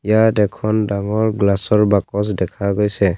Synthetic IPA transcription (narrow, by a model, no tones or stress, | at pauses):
ijatɛkʰɔndaŋɔɹɡlasɔɹbakɔsdɛkʰaɡojsɛ